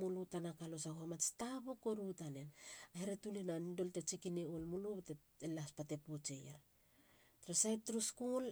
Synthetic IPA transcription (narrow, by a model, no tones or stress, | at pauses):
mulutanakalo̞sahoamat͡ʃtapokoɾutanenaheɾetulenanido̞lte̞t͡ʃikineolmulubete | elaspate̞put͡ʃe̞jaɾ | tɾesajtɾuskul